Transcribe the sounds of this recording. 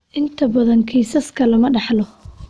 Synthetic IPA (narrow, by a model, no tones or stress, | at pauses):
ʔɪnt̪ʰɐbɐðɐŋkʰiːsɐskʰɐlɐmɐɖɑħlɔ